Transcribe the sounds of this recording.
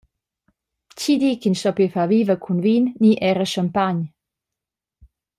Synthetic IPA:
t͡ɕid̪ikinʃtɔpifaviːvəkʰunvinːiʔɛɾəʃəmpaɲ

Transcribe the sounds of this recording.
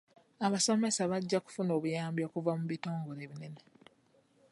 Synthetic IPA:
aβaso̞me̞saβaɟːaku̥funo̞ːβujaːmbjokuvamuβito̞ːŋɡoɾe̞ːβinene

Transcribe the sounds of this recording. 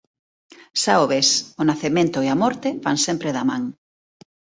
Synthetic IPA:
saoβesʊnaθemẽnt̪ʊeamɔɾt̪eβaŋsempɾeðamãŋ

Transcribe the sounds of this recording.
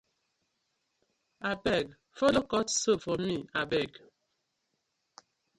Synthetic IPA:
abɛɡ | folokɔtsofɔmiabɛɡ

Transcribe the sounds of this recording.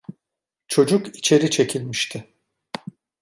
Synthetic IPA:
t͡ʃʰo̞d͡ʒukit͡ʃʰe̞ɾit͡ʃʰe̞cʰilʲmiʃt̪ʰɪ

